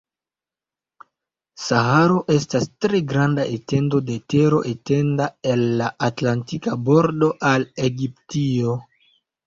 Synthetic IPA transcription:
saɦaɾo̞ʔe̞stastɾe̞ɡɾandaʔete̞ndo̞de̞te̞ɾo̞̰ʔete̞ndae̞lːaʔatlantikabo̞ɾdo̞ʔale̞ɡiptio̞

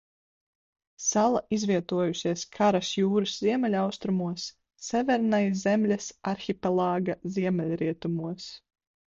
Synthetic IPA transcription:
salˠaʔizvʲiɛt̪uɔjuʃiɛskʰaɾasjuːɾɨsz̥iɛmɛlʲawst̪ɾumuɔsː | ɛvʲɛɾnajzɛmlʲasaɾxʲipɛlˠaːɡaziɛmʲɛlʲɾiɛt̪umuɔs

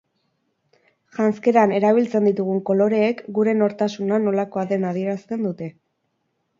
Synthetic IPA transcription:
ʝanske̞ɾane̞ɾaβ̞ilt͡se̞nd̪it̪uɣ̞uŋko̞lo̞ɾe̞ːkɡuɾe̞no̞ɾt̪asunano̞lako̞aðe̞nað̞ie̞ɾast̪e̞nd̪ut̪e̞

